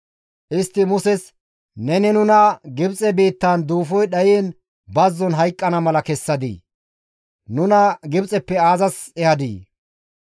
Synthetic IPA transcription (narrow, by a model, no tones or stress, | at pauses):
ʔɪst̪ːɪmʊsɛs | nɛnɛnʊnɐɡɪbt͡sʼɛbiːt̪ːand̪uːfɔjɗɐjiːn | bɐzːɔnɦɐjkʼːɐnɐmɐlɐkɛsːɐd̪ḭː | nʊnɐɡɪbt͡sʼɛpːɛaːzɐsɛhɐd̪ḭː